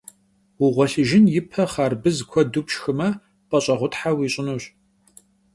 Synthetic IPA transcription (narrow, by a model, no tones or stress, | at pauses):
wʊʁʷɔɬɨʒɪnjɪpʰɐχɑːrbɨzkʷʰɔdupʃxɨmɐ | pʼɐɕʼɐʁʷʊtħawiːɕʼɪnuːɕ